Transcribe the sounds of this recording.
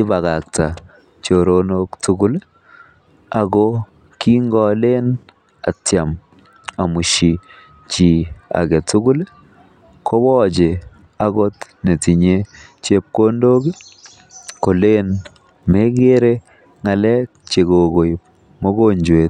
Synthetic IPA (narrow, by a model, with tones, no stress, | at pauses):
ki˦ba˨ɣa˨k̚ta˨ | t͡ʃo˨ɾonoktuɡu˦l | aɡɔ | ki˦ŋɡɔ˨le˦n | a̰˨tjam | a˨mu˨ʃi | t͡ʃi˨a̰˨ɡɛ˨tuɡu˦l | kʰo˦bɔː˦d͡ʒe | a˦ɡɔtne˨ti˨ɲet͡ʃe˦p̚ko˦ndoː˦ɡi˦ | ko˨le˦n | me˦ɡe˦ɾe | ŋa˨lɛ˦k̚t͡ʃe˨ɡo˨ɡo˨j | mo˦ɡoɲd͡ʒwet